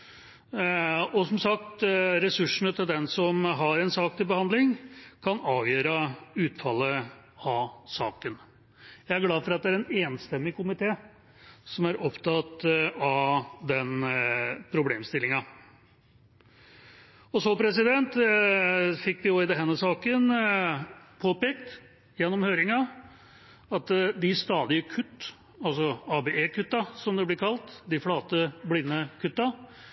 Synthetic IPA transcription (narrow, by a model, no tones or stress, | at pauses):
ɔsɔmsɑkt̪ɾɛsʉʂːəɳət̪ʰɪld̪ɛnsɔmɦɑɾɛnsɑːk̚t̪ʰɪlbəhɑnd̪lɪŋkʰɑnɑːʋjøːɾɑʉːt̪fɑlːəɑsɑːkən | jæɪæɾɡlɑːfɔɾɑt̪̚d̪ɛæɾɛneːnst̪ɛmːɪkʰʊmɪt̪ʰeː | sɔmæɾʔɔpt̪ʰɑt̪ɑd̪ɛn | pʰɾʊbleːmst̪ɪlɪŋɑ | ɔsɔpʰɾɛsɪd̪ɛnt̪ | fɪkːʋɪoɪd̪ɛɦɛnːəsɑːkən | pʰoːpeːkt̪ | jɛnːɔmhøːɾɪŋɑ | ɑt̪d̪ɪst̪ɑːd̪ɪəkʰʉt̪ː | ɑlsɔɑbeʔeːkʰʉt̪ːɑsɔmd̪ɛblɛɾkʰɑlt̪d̪ɪflɑːt̪əblɪnːəkʰʉt̪ːɑ